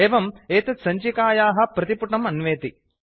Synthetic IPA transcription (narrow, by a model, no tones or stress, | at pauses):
eːʋɐmeːt̪ɐsɐɲt͡ʃikaːjaːɦɐ̆pɾɐt̪ipuʈɐmɐnʋeːt̪i